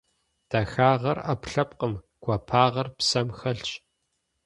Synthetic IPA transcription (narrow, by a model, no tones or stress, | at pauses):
d̥ɐxaːʁɐrapɬɐp̚qəm | ɡ̥ʷɐpʰaːʁɐrpsɐmxɐɬt͡ʃ